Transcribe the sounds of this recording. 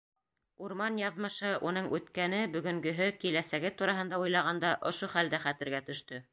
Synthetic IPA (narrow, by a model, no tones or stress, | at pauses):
uɾmɑnjɑðmɤ̆ʃɤʔunɤɴʔʉt̪kænɘbɵ̆ɡɵ̆ŋɡɵ̆ɦɵkilæsæɡɘt̪uɾɑɦɤ̆nd̪ɑujlˠɑʁɑnd̪ɑʔŏʃoχæld̪æχæt̪ɘ̆ɾɡæt̪ɵ̆ʃt̪ɵ